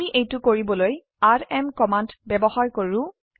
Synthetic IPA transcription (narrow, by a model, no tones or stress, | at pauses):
iʔejtʊkoɹibɔloj | aɹɛmkɔmandbɛbɔhaɹkoɹʊ̃